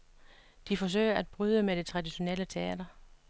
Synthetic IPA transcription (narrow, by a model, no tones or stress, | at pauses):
d̥ifɒ̽s̬ø̰ɪ̰ɐʔæd̥̚b̥ʁyð̞ˠəmed̥e̝t͡sʰʁɑ̈d̥iɕo̝nel̰ət͡sʰe̝ɛ̰ːd̥ɐ